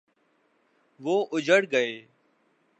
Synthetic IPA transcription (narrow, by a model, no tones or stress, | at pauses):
ʋoːʔʊd͡ʒʱəɽɡəeː